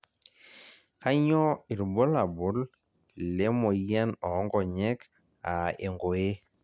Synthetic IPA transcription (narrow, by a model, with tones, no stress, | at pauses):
ka˦ɲɔ˦i˨ɾbɔ˦la˨bu˦l | lɛ˦mɔ˨ia˦nɔ˨˦ŋɡɔ˨ɲɛ˦k | a̰˨e˨ŋɡo˨e˦